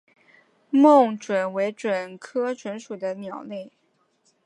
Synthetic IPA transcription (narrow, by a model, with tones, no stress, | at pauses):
mo˥˩ŋʈ͡ʂwə˨˩nwe˧˥ɪʈ͡ʂwə˨˩nkʰɤ˥ʈ͡ʂwə˧˥nʂu˨˩d̪ə˦njɑ˨˩ʊli˥˩